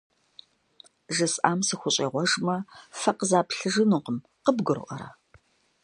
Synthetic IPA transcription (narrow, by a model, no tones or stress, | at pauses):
ʒɨsʔa̰ːmsɨxʷʊɕʼeːʁʷɔʒmɐfɐqəzaːpɬɨʒɨnuːqəm | qəbɡɨr̰ʔɐɾɐ̰